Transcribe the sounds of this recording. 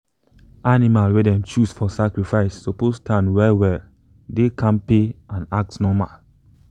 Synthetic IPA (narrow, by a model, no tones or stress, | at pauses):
animalwɛdɛ̃mt͡ʃusfɔsakɹifaɪsːopostʰãnwɛlwɛl | dekʰãnpeãnak̚tnɔmal